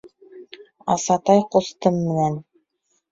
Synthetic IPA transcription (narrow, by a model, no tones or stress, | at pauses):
ɑsɑt̪ɑjqŏst̪ɤmːɘ̆næn